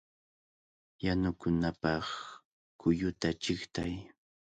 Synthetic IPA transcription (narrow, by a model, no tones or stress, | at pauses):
janʊkʊnapɑχ | kʊjʊt̪at͡ʃɪχt̪aj